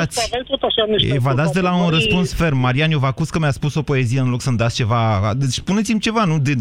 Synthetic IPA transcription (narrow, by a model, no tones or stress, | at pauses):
at̪sʲelt̪ot̪aʃaneʃevad̪at̪sʲd̪e̞launrəspunsfe̞rmːaɾianjovakuskəmjaspuso̞po̞e̞zije̞ɨnlo̞ksəmd̪at̪sʲt͡ʃe̞va̰d̪espune̞t̪simt͡ʃe̞vanud̪e